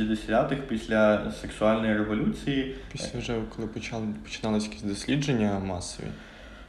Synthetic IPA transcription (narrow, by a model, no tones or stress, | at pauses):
izʲd̪esʲʋʲat̪ɪkpʲisʲlʲɐseksʊɑlʲnɔjiɾeʋɔlʲut͡sʲijipʲisʲlʲɐwʒɛkɔlˠɪppɔ̥t͡ʃɪ̥nɑlˠɪsʲjkʲisʲtʲd̪ɔsʲlʲid͡ʒenʲːɐmɑsɔ̰ʋʲḭ